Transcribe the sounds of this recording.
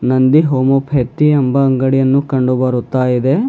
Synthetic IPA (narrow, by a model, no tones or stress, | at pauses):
nɐnd̪iɦoːmopʰeːt̪ːiɐmbɐːŋɡɐɽijɐnːukɐɳɖubɐɾut̪ːaːjid̪e